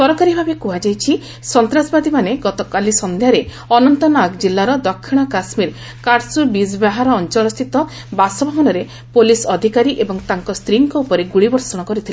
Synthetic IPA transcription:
sɔɾɔkaɾibʱabekuɦad͡ʒajt͡ʃʰi | sɔnt̪ɾasbad̪imaneɡɔt̪ɔkalisɔnd̪ʱjaɾe | ɔnɔnt̪ɔnaɡd͡ʒilːaɾɔd̪ɔkʰːiɽ̃ɔkasmiɾ | kaɾsubisbaɦaɾɔːnt͡ʃɔlɔst̪ʰit̪ɔ | basɔbʱabɔnɔɾe | polisɔd̪ʱikaɾiʔebɔŋt̪aŋkɔst̪ɾiŋkɔupɔɾeɡuɽibɔɾsɔɽ̃ɔkɔɾit̪ʰile

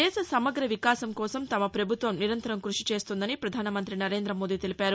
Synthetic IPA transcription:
ɛːʃɐsɐmɐɡɾɐʋikaːsɐmkɔːsɐmt̪ɐmɐpɾɐbʱut̪ʋɐmniɾɐnt̪ɐɾɐmkɾuʂit͡ʃe̞ːst̪und̪ɐnipɾɐd̪ʱaːnɐmɐnt̪ɾinɐɾe̞ːnd̪ɾɐmo̞ːd̪iːt̪elipaːɾu

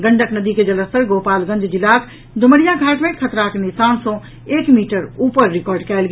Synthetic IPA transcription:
ɡəɳɖəknəd̪iked͡ʒələst̪əɾɡoːpaːlɡə̃nd͡ʒd͡ʒɪlaːk | d̪ʱʊməɽijaɡʱaːʈmẽkʰət̪ɾaknisaːnsɔ̃ | eːkmiːʈəɾuːpəɾːɪkɔːɾɖkɛːlɡ

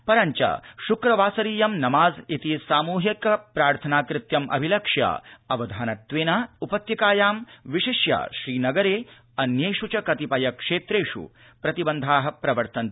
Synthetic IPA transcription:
pɐɾɐɲt͡ʃɐ̰ʃukɾɐʋaːsɐɾiːjɐmnɐmaːzit̪isaːmuːɦikɐpɾaːɾt̪ʰɐnaːkɾɪt̪jɐmʔɐ̰bʱilɐkʂjɐ̰ɐʋɐd̪ʱaːnɐt̪ʋeːnaːupɐt̪jɐkaːjaːmʋiʃiʃjɐ̰ʃɾiːnɐɡɐɾeː | ɐnjeːʂut͡ʃɐkɐt̪ipɐjɐkʂeːt̪ɾeːʂṵ | pɾɐt̪ibɐnd̪ʱaːɦɐ̆pɾɐʋɐɾt̪ɐn

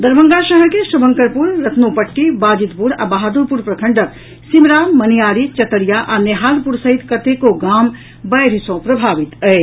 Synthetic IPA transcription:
d̪əɾbʱə̃ŋɡaʃəɦəɾkesəbəŋkəɾpuɾɾət̪nopəʈːibaːd͡ʒit̪puɾa̰baɦad̪uɾpuɾpɾəkʰəɳɖək̚ | simɾaːmənijaːɾit͡ʃət̪əɾijaʔaneɦaːlpuɾsəɦit̪kət̪ekoɡaːm | bəjɾisõpɾəbʱaːʋit̪əe

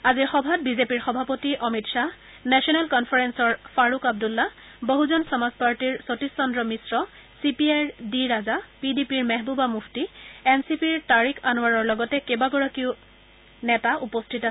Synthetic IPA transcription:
aziɹxɔbʱad̚bizepiɹxɔbʱapotiʔɔmitsa | nɛsiɔnɛlkɔnfʰaɹɛnsɔɹfaɹukab̚dulːa | boɦuzɔnsɔmazpaɹtiɹsotisːɔndɹɔmisɹɔ | sipiaɹdiɹazapidipiɹmɛɦbubamuftiɛnsipiɹtaɹikʰanwaɹɔɹlɔɡɔtɛkebaɡɔɹakiʊ | nɛtaʔupɔstʰita

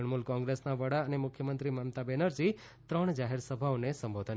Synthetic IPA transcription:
ɳmulkɔ̃ŋɡɾesnaʋəɽaənemʊkʰjəmənt̪ɾiməmt̪abenəɾd͡ʒi | t̪ɾəɳ̃d͡ʒaɦeɾsəbʱaonesə̃mbod̪ʱən

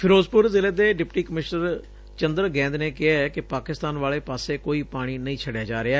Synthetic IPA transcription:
pʰɪɾoːzpʊɾzɪleːd̪eːɖɪpʈiːkəmɪʃnəɾ | t͡ʃənd̪əɾɡɛ̃ːnd̪neːkɪaːɛkɪpaːkɪst̪aːnʋaːleːpaːseːkoːiːpaːɽ̃iːnəĩːt͡ʃʰəɖjaːd͡ʒaːɾɪaː

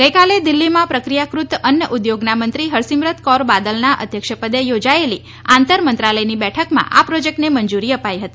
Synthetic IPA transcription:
ɡəikaled̪ilːimãpɾəkɾijakɾut̪ənjəʔud̪joɡnamənt̪ɾiɦəɾsimɾət̪kɔɾbad̪əlnaʔə̰d̪ʱjəkʃəpəd̪ejod͡ʒaeli | ãnt̪əɾmənt̪ɾaləjnibɛʈʰəkmã̰ʔapɾod͡ʒek̚ʈnemənd͡ʒuɾiəpajɦət̪i

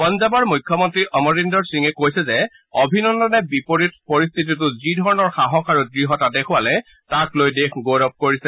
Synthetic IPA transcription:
pɔnzabɔɹmujkʰːɔmɔntɹiʔɔmɔɹindɔɹsiŋɛkojsɛzɛ | ɔbʱinɔndɔnɛbipoɹit̚pɔɹist̪ʰit̬itʊzidʱɔɹɔnɔɹxaɦɔkʰaɹudɹiɦɔtadekʰʊwalɛ | taklojdekɡoɹɔp̚koɹisɛ

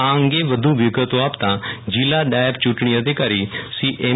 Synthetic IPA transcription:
ãːəŋɡeːʋəd̪ʱuːʋɪɡət̪oaːpt̪ãd͡ʒiːlaːɖaːɪbt͡ʃuːʈɳ̃iəd̪ekaːɾiːsiːʔeː

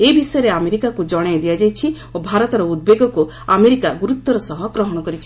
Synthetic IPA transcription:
ebisɔjɔɾeameɾikakud͡ʒɔɽ̃ed̪ijad͡ʒajt͡ʃʰi | obʱaɾɔt̪ɔɾɔud̪̚beɡɔku | ameɾikaɡuɾut̪ːɔɾɔsɔɦɔɡɾɔɦɔɽ̃ɔkɔɾit͡ʃʰi

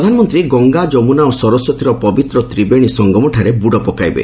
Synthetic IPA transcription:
ɾɔd̪ʱanɔmɔnt̪ɾiɡɔŋɡad͡ʒɔmunaɔsɔɾɔsɔt̪ʰiɾɔpɔbit̪ɾɔt̪ɾibeɽ̃isɔŋɡɔmɔʈʰaɾebuɽɔpɔkajbḛ

